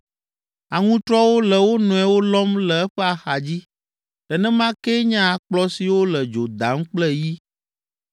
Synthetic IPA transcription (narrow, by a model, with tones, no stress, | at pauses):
a˨ŋũ˦t̪ɾɔ˦wo˦lɛ˨wo˦nɔ̃˨ɛ˨wo˦lɔ˦mlɛ˨ɛ˦ɸɛ˦a˨xa˨d͡ʑi˦ | ɖ̥ɛ˨nɛ̃˦mã˦kɛ˦ɲã˦˨k͡plɔ˦si˨wo˦lɛ˨d͡ʒo˨d̪a˨˦ŋ̩˦k͡plɛ˦ji˦